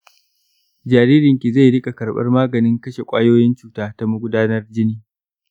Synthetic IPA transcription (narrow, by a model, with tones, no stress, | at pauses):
d͡ʒaː˨ɾiː˦ɾɪ˨ŋkʲi˨za˦˨jɽɪ˦kʼa˨kɐ˨rɓɐ̰˦rmaː˦ɡɐ˨nɪ˦ŋkɐ˦ʃe˨kʷʼaː˦joː˦jɪ˦nt͡ʃuː˨taː˦ta˦mʊ˦ɡʷʊ˦daː˦nɐ˦rd͡ʒɪ˦niː˨